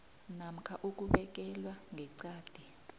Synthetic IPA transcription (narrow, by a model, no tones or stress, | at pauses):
nam̩kʰaʔuk̬uɓɛk̬ɛlwaŋʱɛǀaːd̥ʱi